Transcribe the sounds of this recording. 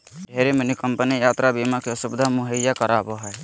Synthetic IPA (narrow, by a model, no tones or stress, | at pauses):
ɖʱɛɾemənikɔmpənijat̪ɾabimakeɔsubd̪ʱamuɦəjːakɔɾabɔɦɔj